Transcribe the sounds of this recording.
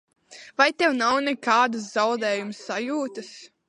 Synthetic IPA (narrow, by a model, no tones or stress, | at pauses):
vajt̪ɛwnawnɛkaːd̪ɨs̬z̥awd̪ɛːjumsːajuːt̪ɨs